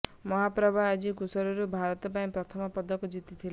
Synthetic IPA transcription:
mɔɦapɾɔbʱaːd͡ʒikusɔɾɔɾubʱaɾɔt̪ɔpaĩpɾɔt̪ʰɔmɔpɔd̪ʱːɔkud͡ʒit̪it̪ʰil

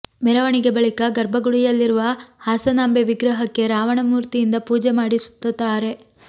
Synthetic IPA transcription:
mɛɾɐʋɐɳiɡe̞bɐɭikɐɡɐɾbʱɐɡuɽijɐlːiɾuʋɐhaːsɐnambeʋiɡɾɐɦɐkːe̞ɾaːʋɐɳɐmuːɾt̪ijind̪ɐpuːd͡ʒemaːɽisu̥t̪ːɐt̪ːaːɾe̞

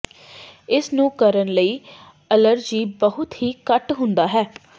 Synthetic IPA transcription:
ɪsnũːkəɾənləiː | ələɾd͡ʒiːbəɦʊt̪ɦiːkəʈɦʊ̃nd̪aːɦɛː

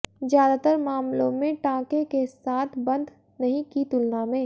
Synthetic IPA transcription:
zjaːd̪at̪əɾmaːmlõ̰mẽʈãːkekesaːt̪ʰbɐ̃nd̪ | nɐɦĩkit̪ʊlnamẽː

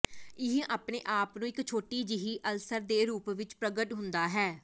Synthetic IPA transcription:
ɪɦĩʔaːpnḛːʔaːpnũːɪkt͡ʃʰoːʈiːd͡ʒɪɦiːʔəlsəɾd̪eːɾuːpʋɪt͡ʃpɾəɡəʈɦʊ̃nd̪aːɦɛː

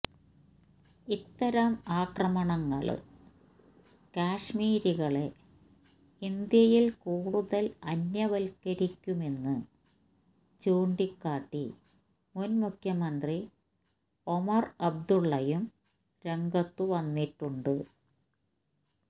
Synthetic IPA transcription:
it̪ːɐɾɐmaːkrɐmɐɳɐŋːɐ̰ɭ̰ | kaːʂmiːɾiɣɐɭe | ind̪jɐjilkuːɽuðɐlɐnːjɐʋɐlkɐɾikʲːume̞nːɨ | t͡ɕuːɳɖikːaːʈːḭ | munmukʰjɐmɐnd̪ri | omɐrɐb̚d̪uɭːɐjum | ɾe̞ŋɡɐt̪ːuʋɐnːiʈːuɳɖɨ

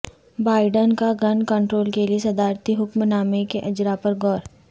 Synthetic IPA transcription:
baːɪɖənkaɡɐnkə̃ɳʈɾoːlkeliesɐd̪aːɾt̪iɦʊkmnaːmekeʔɐd͡ʒɾapɐɾɡɔːɾ

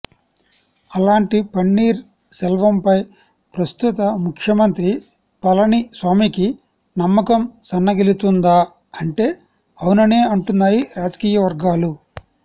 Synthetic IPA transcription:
ɐlaːɳʈipɐɳːiːɾ | sɛlʋɐmpɐj | pɾɐst̪ut̪ɐmukʰjɐmɐnt̪ɾi | pɐlɐnisʋaːmiːki | nɐmːɐkɐmsɐnːɐɡelit̪und̪aː | ɐɳʈe̞ː | ɐwunɐneːɐɳʈunːaːjiɾaːd͡ʒɐ̥kiːjɐʋɐɾɡaːlu

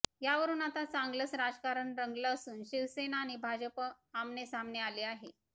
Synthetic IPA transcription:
jaʋəɾuːnat̪at͡saŋɡləsɾad͡zkaɾəɳɾəŋɡlaəsuːnɕiʋsenaːnibʱad͡ʑəpə | amnesambnealeaɦe

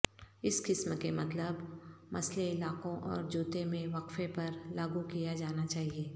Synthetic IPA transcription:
ɪskɪsmkemɐt̪ləbmɐsleɪlaːkõʔɔ̰ːɾd͡ʒuːt̪emẽʋɐkfẽpɐɾlaːɡukijad͡ʒaːnat͡ʃaːɦieː

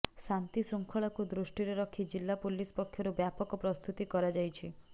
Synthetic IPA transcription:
sant̪isuŋkʰɔɭɔkud̪ɾusʈiɾeɾɔkʰid͡ʒilːapulispɔkʰjɔɾubjapɔkɔpɾɔst̪ʰut̪ikɔɾad͡ʒajt͡ʃʰi

